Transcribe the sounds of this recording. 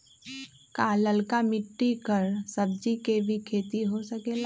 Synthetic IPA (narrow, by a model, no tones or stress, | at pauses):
kaːləlkamɪʈːikəɾsɐb̚d͡ʒikebʱikʰeːt̪iɦosəkeːla